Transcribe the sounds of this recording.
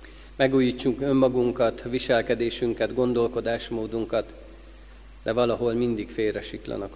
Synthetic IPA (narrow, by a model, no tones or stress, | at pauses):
mɛɡuːjiːt͡ʃːukø̞mːɒɡuŋkɒt̪ʋiʃɛlkɛd̪eːʃyŋkɛd̪ɡo̞nd̪o̞lko̞d̪aːʃmoːd̪uŋkɒt̪ | d̪̥ɛvɒlɒɦo̞lmind̪ikfeːrɛʃiklɒ̰nɒk